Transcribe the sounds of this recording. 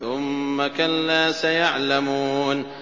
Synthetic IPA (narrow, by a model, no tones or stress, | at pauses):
ʊmːakalːaːsajaʕlamuːn